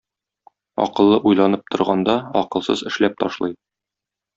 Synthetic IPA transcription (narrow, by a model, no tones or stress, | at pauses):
ɒ̰qɤ̆lˠːɤʔujlˠɑnɤp̚t̪ŏɾʁɑnd̪ɑɒqɤ̆lˠsɤzɘ̆ʃlæp̚t̪ɒʃlˠɤj